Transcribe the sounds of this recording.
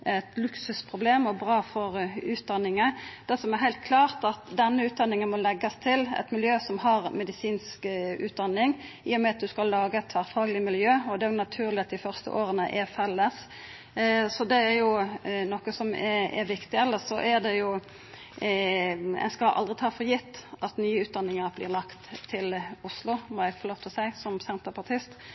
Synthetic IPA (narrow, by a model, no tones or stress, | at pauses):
ɛt̪lʉksʉspʰʁʊbleːmɔbʁɑːfɔɾʉːt̪̚d̪ɑnːɪŋəd̪̥æsɔmɛɾɦæɪlt̪̚kʰlɑːʁt̪ɑt̪d̪ɛnːəʉːt̪̚d̪ɑnːɪŋənmɔlɛɡːɑst̪ʰɪlɛ̰t̪mɪljøːsɔmɦɑɾmɛd̪ɪsiːnskʉːt̪̚d̪ɑnːɪŋ | iːɔmɛɑt̪̚d̪ʉskɑlːɑːɡəɛt̪ʰːʋæːɾfɑːɡlɪmɪljøːɔd̪ɛæɾjʊnɑt̪ʰʉːɾlɪɑt̪̚d̪ɪfœʁst̪ə̰ʔoːɾənə̰ʔɛɾfɛlːəs | sɔd̪ɛæɾjʊnɔkːəsɔmɛ̰ɾʋɪkt̪ɪɛlːəsɔʔæɾd̪ɛjʊ | æ̰nskɑlʔɑ̰ld̪ʁɪt̪ʰɑːfɔɾjɪt̪ːɑt̪nyːəʉːt̪̚d̪ɑnːɪŋəɾblɪ̰ːʁlɑkt̪ʰːɪlʊslʊmɔæɡfɔloːʋt̪ʰɪlsæɪsɔmsɛnt̪əɾpɑt̪ʰɪst̪